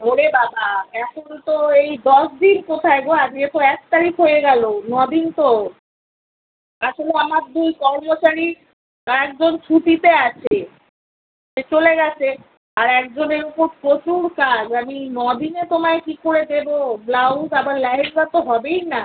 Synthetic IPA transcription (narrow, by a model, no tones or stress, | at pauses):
ɦoɽebabaɛkont̪oejd̪ɔʃd̪inkot̪ʰaeɡoad͡ʑɡet̪oɛk̚t̪aɾikʰɦojeɡɛlonɔd̪int̪o | aʃoleamaɾd̪ujkɔɾmoʃaɾi | aɛk̚d͡ʑont͡ɕʰut̪it̪eat͡ɕʰe | ʃet͡ɕoleɡɛt͡ɕʰe | aɾɛk̚d͡ʑoneɾupoɾpɾot͡ɕuɾkad͡ʑaminɔd̪inet̪omaekikoɾed̪eboblawɡabaɾlɛɦekbat̪oɦɔbejna